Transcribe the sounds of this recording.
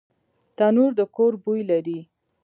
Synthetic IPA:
t̪anuɾd̪əkoɾbujlaɾi

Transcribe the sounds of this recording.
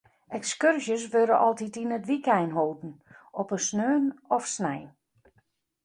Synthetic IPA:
ɛkskørzjəs̬ʋøɾə̰ʔɔlˠtitinətʋikɛjnɦoːtn̩ɔpəsnøːnɔfsnɛjn

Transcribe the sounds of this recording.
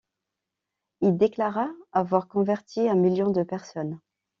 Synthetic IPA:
ild̪eklaʁaavwaʁkɔ̃vɛʁt̪ʰiɛ̃miljɔ̃d̪əpɛʁsɔn

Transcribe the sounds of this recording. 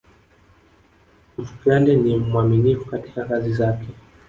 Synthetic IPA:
m̩fu̥klandɛnimwaminifukati̥kakazizakɛ

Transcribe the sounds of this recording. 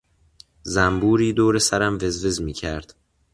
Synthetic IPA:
zæmbuːɾiːd̪oːɾe̞sæɾæmve̞zve̞zmiːcʰæɾd̪̥

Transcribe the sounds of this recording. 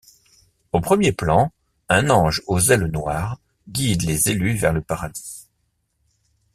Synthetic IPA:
opχəmjeplɑ̃ | ɛ̃nɑ̃ʒozɛlnwaːʁ | ɡʲid̪lezelyvɛʁləpaʁad̪i̥

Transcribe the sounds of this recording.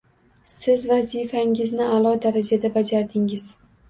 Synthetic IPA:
sɪzvazifaŋɪznɪalˠɒd̪aɾad͡ʒad̪abad͡ʒaɾd̪ɪŋɪz̥

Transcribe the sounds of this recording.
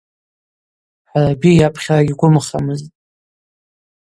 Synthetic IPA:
ħarabijapʼʰχʲraɡʲiɡʷʊmɨχa̰mɨztʼ

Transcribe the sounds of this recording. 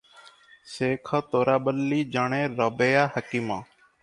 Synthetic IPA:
seːkʰaːt̪oːɾaːɓəlːiːd͡ʒaːɳeːɾoːbeːjaːhəkiːmãː

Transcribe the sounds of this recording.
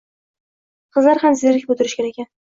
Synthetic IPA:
qʰɨzlaɾhamzeɾɪkʲbɵt̪ʰɪɾɪʃkʲanekʲʰan

